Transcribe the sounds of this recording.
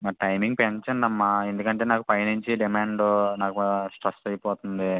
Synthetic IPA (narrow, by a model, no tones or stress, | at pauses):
maːʈɐjmiŋɡ̚pent͡ʃɐnd̪ɐmːaend̪ukɐɳʈeːnaːkupɐjnuɲt͡ʃiɖimaːɳɖunaːkusʈɾɐst̪ɐjpɔːt̪und̪i